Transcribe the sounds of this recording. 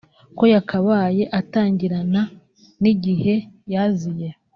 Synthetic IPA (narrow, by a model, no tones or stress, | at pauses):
ko̞jakʰaβaːje̞ʔataːɲɟiɾana | niɟihe̞jazije